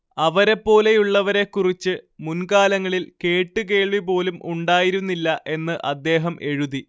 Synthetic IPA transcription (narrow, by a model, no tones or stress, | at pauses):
ɐʋɐɾe̞pːo̞ːle̞juɭːɐʋɐɾe̞kːurit͡ɕːɨmunkaːlɐŋːɐɭilke̞ːʈːɨk̬e̞ːɭʋip̬o̞ːlumuɳɖaːjiɾunːilːɐʔe̞nːɨʔɐd̪ːe̞ːɦɐmʔe̞ɻuði